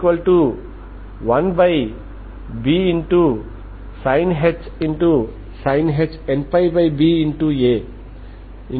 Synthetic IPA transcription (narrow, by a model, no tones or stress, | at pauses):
kwəlʈu | wanbaj | biinʈu | sãɪnɦet͡ʃĩnʈu | sãɪnɦet͡ʃenpajbajbiĩnʈue | ĩ